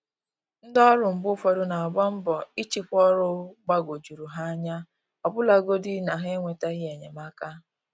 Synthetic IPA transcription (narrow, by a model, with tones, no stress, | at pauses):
n̩˦dɔ˦ɾʊ˨m̩˨bʊ˦fo˦ɾʊ˦na˨a˨ba˦m̩˦bɔ˨i˦t͡ʃi˨kʷɔ˦ɾʊ˦ɡ͡ba˦ɡo˨d͡ʒu˨ɾu˨ɦa˦a˦ɲa˦ | ɔ˨bʊ˦la˨ɡo˦di˦na˨ɦe˦ŋʷe˨ta˦ɣɪ˦e˨ɲe˨ma˦ka˦